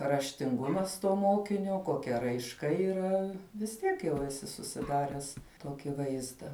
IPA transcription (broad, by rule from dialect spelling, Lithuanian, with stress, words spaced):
rɐʃʲtʲɪŋˈɡʊmɐs toː ˈmoːkʲɪnʲoː koːˈkʲɛ rɐɪʃˈkɐ iːˈrɐ ʋʲɪs ˈtʲiɛk jɛʊ ɛˈsʲɪ sʊsʲɪˈdɑːrʲɛs ˈtoːkʲɪ ˈʋɐɪzdɐ